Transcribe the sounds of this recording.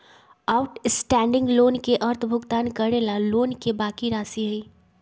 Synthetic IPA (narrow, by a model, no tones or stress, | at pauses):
aːʊʈsʈɛ̃ːɳɖɪ̃ŋɡloːnkeʔɐɾt̪ʰbʱʊɡt̪aːnkɐɾeːlaloːnkebaːkiɾaːsiɦəiː